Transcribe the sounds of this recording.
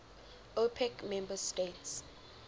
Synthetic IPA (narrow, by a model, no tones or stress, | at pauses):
opʰɛkmɛ̃mbəstets